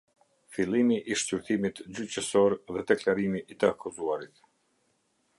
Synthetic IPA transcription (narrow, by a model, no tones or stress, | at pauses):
filˠimiʔiʃt͡ɕyɾt̪imit̪d͡ʑyt͡ɕəsɔɾðɛd̪ɛklaɾimiʔːt̪əakuzuaɾit̪